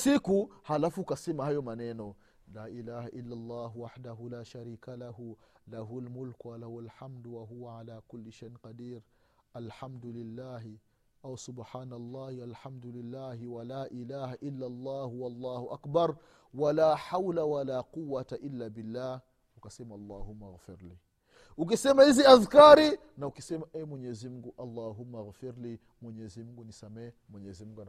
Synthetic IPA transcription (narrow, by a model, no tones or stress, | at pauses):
sikuhalafuukasɛmahajɔmanɛnɔ | laːʔilaːhaʔilːalˤːɑːɦuwaħdaɦulaːʃaɾiːkalahulaɦualmulkuwalahualħamdwaɦuwaʕalaːkulːiʃajnqadiːɾ | alħamd̪ulilːaːɦi | awsʊbħaːnalˤːɑːhialħamd̪ulilːaːhiwalaːʔilaːhaʔilːalˤːaːhuwalːɑːhuʔakbaɾ | walaːħawlawalaːquwːataʔilːabilːaːh | ukasɛmaɑlˤːahumːaɣfiɾliː | ukisɛmahiziaðkaɾi | naukisɛmaʔɛmwɛɲɛzim̩ɡuʔalˤːaːɦumːaɣfiɾli | mwɛɲɛzimuɡunisamɛː | mwɛɲɛzim̩ɡun